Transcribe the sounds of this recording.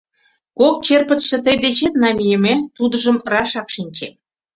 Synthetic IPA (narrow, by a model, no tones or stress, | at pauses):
kok̚t͡ɕerpə̆t̪ʃə̆t̪̬əjd̪et͡ɕet̪nɑmʲijemet̪ud̪ə̆ʒəmrɑʃɑkʃinʲt͡ɕe